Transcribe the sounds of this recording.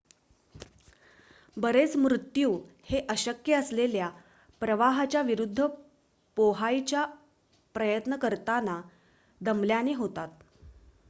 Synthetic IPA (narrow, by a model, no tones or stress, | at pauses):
bəɾet͡smɾut̪juːheʔəɕəkjəəslelja | pɾəʋaɦat͡ɕjaʋiɾud̪ʱːə | poɦajt͡ɕja | pɾəjət̪nəkəɾt̪ana | d̪əmljaneɦot̪at̪̚